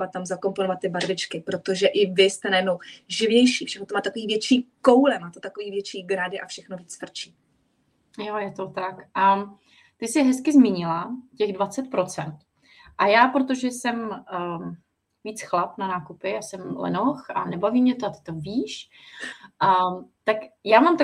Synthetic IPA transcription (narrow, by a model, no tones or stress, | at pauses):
vat̪t̪ːamzako̞mponovat̪ːɪbaɾvɪt͡ʃkɪpɾot̪o̞ʒɛʔɪvɪst̪ɛnajɛdnowʒɪvɲɛjʃiːfʃɛxnot̪omaːt̪t̪akoviːvjɛt͡ʃiːko̞wlɛmaːt̪ot̪akoviːvjɛt͡ʃiːɡɾadɪʔafʃɛxnoviːt͡sfr̩t͡ʃiː | jojɛt̪ot̪akʔa | t̪ɪsɪɦɛskɪzmiːɲɪlacɛɣdvat͡sɛt̪pɾo̞t͡sɛnt̪ | ʔajaːpɾot̪̬o̞ʒɛsɛm | viːt͡sxlapnanaːkupɪjaːsɛmlɛ̰noxʔa̰nɛbaviːmɲɛt̪oat̪ɪ̥t̪o̞viːʃ | ʔat̪akjaːmamt̪a